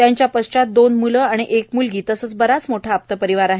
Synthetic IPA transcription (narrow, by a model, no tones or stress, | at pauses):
t̪jaɲt͡ɕjapəst͡ɕat̪̚d̪onmuləaɽ̃iʔekmulɡiːt̪əsət͡sbəɾat͡smoʈʰaːp̚t̪əpəɾiʋaɾaɦe